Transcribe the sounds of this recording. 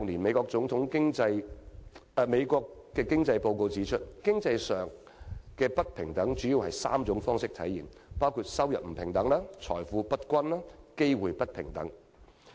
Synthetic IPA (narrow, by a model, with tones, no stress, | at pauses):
ŋniː˨˩nme˨˧jkɔː˧k̚t͡sʊ˨˥ŋt̪ʰʊ˨˥ŋkɪ˥ŋt͡sɐ˧j | me˨˧jkʷɔː˧kkːɛː˧kɪ˥ŋt͡sɐ˧jpo˧wko˧wt͡siː˨˥t͡ʃʰɵ˥t̚kɪ˥ŋt͡sɐ˧jsœː˨˩ŋ | kɛː˧pɐ˥t̚pʰɪ˨˩ŋt̪ɐ˨˥ŋt͡ʃyː˨˥jiː˨˧whɐ˨jsa̰ː˥mt͡sʊ˨˥ŋfɔː˥ŋsɪ˥k̚t̪ʰɐ˨˥jiː˨˩n | paː˥wkʰuː˧t̚sɐ˥wjɐ˨p̚m̩˨˩pʰɪ˨˩ŋt̪ɐ˨˥ŋlaː˥t͡ʃʰɔ̰ː˨˩jfuː˨˥pɐ˥t̚kʷɐ˥nlaː˥ke˥jwuː˨jpɐ˥t̚pʰɪ˨˩ŋt̪ɐ̰˨˥ŋ